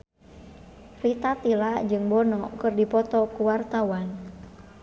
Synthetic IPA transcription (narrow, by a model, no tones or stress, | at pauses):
rit̪at̪ilad͡ʒɨŋbɔnɔkɨrdipɔt̪ɔkuwart̪awan